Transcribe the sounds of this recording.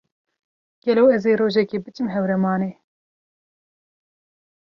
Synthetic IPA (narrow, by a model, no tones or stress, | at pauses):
ɡ̥ɛlɛwɛzeːɾoːʒɛkeːbɨt͡ʃɨmɦɛwɾɛmɑːneː